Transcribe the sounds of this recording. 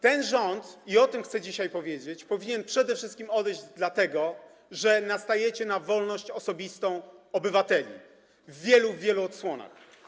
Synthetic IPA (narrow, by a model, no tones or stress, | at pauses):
t̪ɛnʐɔnt̪iɔt̪ɘmxt̪sɛd͡ʑiɕajpɔvʲjed͡ʑet͡ɕpɔvʲiɲɛnpʂɛd̪ɛfʂɘst̪kʲimɔd̪ɛjʑd͡ʑd̪lat̪ɛɡɔ | ʐɛnast̪ajɛt͡ɕɛnavɔlnɔɕt͡ɕɔsɔbʲist̪ɔ̃w̃ɔbɘvat̪ɛlʲḭ | vːʲjɛluvʲjɛluɔt̪swɔna̰x